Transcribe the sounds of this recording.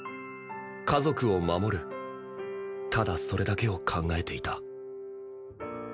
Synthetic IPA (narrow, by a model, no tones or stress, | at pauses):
kʰazo̞kɯ̟o̞mamo̞ɾɯ̟ | t̪ʰad̪aso̞ɾe̞d̪ake̞o̞kʰãŋɡae̞t̪e̞it̪a